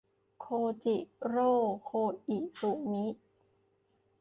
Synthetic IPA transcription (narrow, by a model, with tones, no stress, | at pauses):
kʰoː˧t͡ɕi˨˩ʔɾoː˥˩kʰoː˧ʔi˨˩ʔsu˨˩mi˦˥